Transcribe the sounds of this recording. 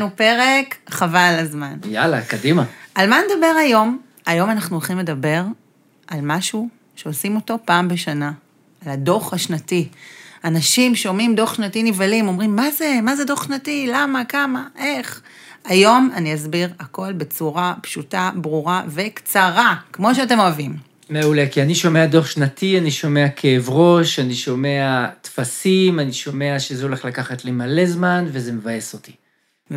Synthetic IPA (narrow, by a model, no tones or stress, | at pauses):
nupe̞ʁekχavalazmanja̰la̰kadimaalmaned̪abe̞ʁajo̞m | ajo̞manaχnulχimle̞dabe̞ʁ | ʔalmaʃu | ʃeosimo̞to̞paːmbe̞ʃana | alado̞χhaʃnatianaʃimʃeo̞mimdo̞χʃnatinivalimo̞mʁimːazemazedo̞χʃnatilamakamaʔe̞χ | ajo̞maniazbiʁako̞lbet͡suʁapʃutabʁuʁave̞kt͡saʁakmo̞ʃeate̞mo̞avim | meulekianiʃo̞me̞ado̞χʃnatianiʃo̞me̞akʰeːvʁo̞ʃaniʃo̞meatfasimaniʃo̞me̞aʃezeo̞le̞χlakaχat̪lemale̞zmanvezemevajesot̪i̥